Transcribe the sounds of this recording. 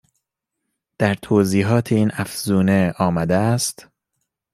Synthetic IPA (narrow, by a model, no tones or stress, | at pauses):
d̪̥æɾt̪ʰoːziːɦɒːt̪ʰeiːnʔæfz̥uːneɒːmæd̪eæst̪